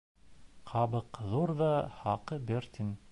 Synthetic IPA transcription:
qʰɑβɤqðuɾðɑhɑqɤbʲeɾt̪ʲin

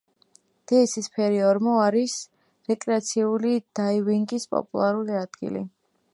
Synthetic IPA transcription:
d̪̥ɛɛsispʰɛɾiɔɾmɔaɾis | ɾɛkʼɾɛat̪sʰiulid̪̥ajviŋɡispʼɔ̰pʼṵlˠaɾuliad̪̥ɡḭlḭ

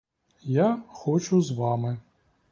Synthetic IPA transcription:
jaxɔt͡ʃʊzʋɑmɪ

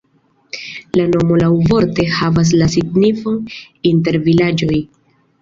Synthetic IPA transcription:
lano̞mo̞lawvo̞ɾte̞havas̬lasiɡnifo̞n | inte̞ɾvilad͡ʒo̞j

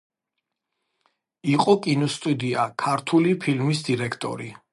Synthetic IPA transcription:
iqʼɔkʼinɔst̪ʼud̪iakʰaɾt̪ʰulipʰilmisd̪iɾɛkʰt̪ʼɔ̰ɾi

